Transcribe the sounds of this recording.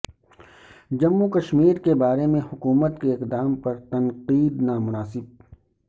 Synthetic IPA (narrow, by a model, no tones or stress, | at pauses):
d͡ʒɐmːukɐʃmiːɾkebaːɾemẽhʊkuːmət̪keɪqd̪aːmpɐɾt̪ɐnqiːd̪naːmʊnaːsɪb̚